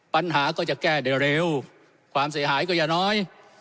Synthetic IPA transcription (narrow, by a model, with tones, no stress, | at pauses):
pa˧˩nɦaː˧˩˦kɔ˨˦t͡ɕə˨˩kkaː˧˩ɗe˨˩ɗe˨˩w | xwaː˨˦msɨ̰˧˦ɦa̰ː˧˨˦jkɔ˧˩zaː˨˩nɔ˧˦j